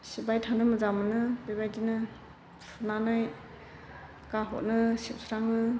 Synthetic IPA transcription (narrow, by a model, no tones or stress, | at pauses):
sibajtʰandɯmɯzamɯnɯbibajdinɯ | sʰunanaj | kaɦɔ̰t̚nɯsip̚sʰɾaŋnɯ